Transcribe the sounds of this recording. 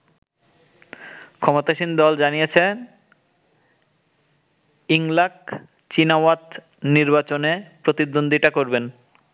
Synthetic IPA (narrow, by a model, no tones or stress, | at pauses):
kʰɔmot̪aʃind̪ɔld͡ʑanijet͡ɕʰe | iŋlak | t͡ɕinawat̪ | niɾbat͡ɕonepɾot̪id̪ond̪ʱiʈakoɾben